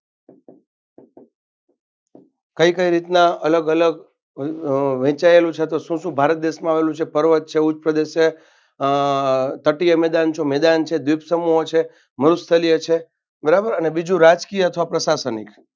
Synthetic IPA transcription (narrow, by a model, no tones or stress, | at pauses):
kəikəiɾit̪naələɡələɡ | ʋɛ̃t͡ʃaelũt͡ʃʰet̪oʃũʃũbʱaɾət̪̚d̪eʃmãaʋelũt͡ʃʰepəɾʋət̪̚t͡ʃʰeut͡ʃpɾəd̪eʃe | t̪əʈijəmɛd̪ant͡ʃʰõmɛd̪ant͡ʃʰed̪ʋibsəmuɦot͡ʃʰe | məɾust̪ʰəlijət͡ʃʰe | bəɾabəɾənebid͡ʒũɾad͡ʒkijəət̪ʰʋapɾəsasənḭk